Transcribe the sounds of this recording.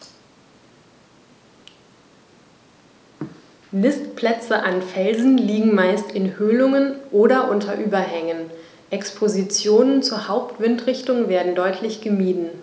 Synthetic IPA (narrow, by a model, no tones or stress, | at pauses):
nɪstpʰl̥ɛt͡səʔanfɛlzn̩liːɡŋ̩maɪstɪnhøːlʊŋənʔoːɾɐʔʊntʰɐʔyːbɐɦɛŋən | ʔɛkspʰozit͡sjoːnənt͡suːɐhaʊp̚tv̥ɪntʁɪçtʊŋveːɐdn̩dɔʏtʰlɪçɡ̥əmiːdn̩